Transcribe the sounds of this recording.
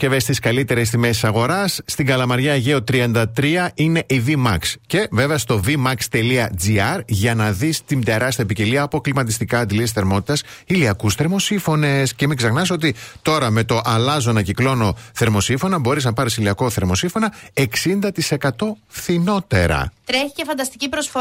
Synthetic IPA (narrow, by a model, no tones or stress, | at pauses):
cevest̪iskɐlit̪e̞ɾe̞sθimesi̥sɐɣo̞ɾɐsːt̪iŋɡɐlɐmɐɾʝɐʝeot̪ɾiɐnd̪ɐt̪ɾiɐʔine̞ʔivimɐ̰ksce̞ve̞veɐst̪o̞vimɐkst̪e̞liɐd͡ziɐɾʝɐnɐðist̪ind̪e̞ɾɐst̪iɐpiceliɐːpo̞klimɐt̪̬ist̪ikɐːd̪ilisθe̞ɾmo̞t̪i̥t̪ɐsiliɐkusθe̞ɾmo̞sifo̞ne̞scemiksɐxnɐso̞t̪it̪o̞ɾɐme̞t̪o̞ʔɐlɐzo̞nɐciklo̞no̞θe̞ɾmo̞sifo̞nɐbo̞ɾiznɐpɐɾisiliɐko̞θe̞ɾmo̞siɱfo̞nɐe̞ksind̪ɐt̪ise̞kɐt̪o̞fθino̞t̪e̞ɾɐ̰t̪ɾeçicefɐnd̪ɐst̪icipɾosf